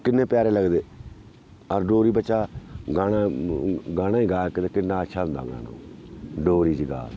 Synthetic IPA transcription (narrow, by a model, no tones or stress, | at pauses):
kɪnːẽːpjaːɾeːləɡd̪eː | əɾɖoːɾiːbəʃaːɡaːɽaːɡaːɽãːiːɡaːkɪt̪ekɪnːaːətːʃʰaːʊ̃nd̪a̰ːɡna̰ːnõ̰ːɖoːɾiːd͡ʒiɡa̰ː